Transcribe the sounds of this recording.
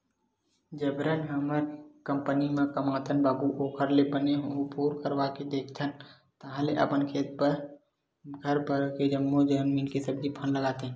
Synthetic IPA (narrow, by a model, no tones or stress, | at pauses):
d͡ʒəbɾənɦəməɾkəmpənimẽkəmaːt̪ənbaːbuʔoːkʰəɾlebəneɦoɦõpuːɾkəɾʋaked̪eːkʰt̪ʰən | t̪əɦãleʔə̰pənkʰeːt̪̚pəɾ | ɡʱəɾpəɾked͡ʒəmːod͡ʒənmiːnkesəbd͡ʒipʰənləɡaːt̪eɦɛ̃